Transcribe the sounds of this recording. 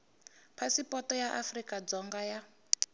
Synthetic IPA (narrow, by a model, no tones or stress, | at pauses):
pʰasipʼɔtɔjaʔafrikʼad͡zɔŋɡaja